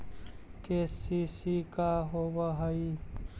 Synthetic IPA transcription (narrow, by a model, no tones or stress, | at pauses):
kesisikaɦobaɦəi